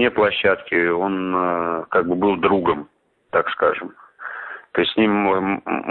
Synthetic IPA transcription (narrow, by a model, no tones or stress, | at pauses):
nʲeplˠɐɕːat̪kʲɪo̞nkaɡ̚bɨbɨlˠd̪ɾuɡəm | t̪akskaʐɨm | t̪oɪsʲtʲsʲnʲim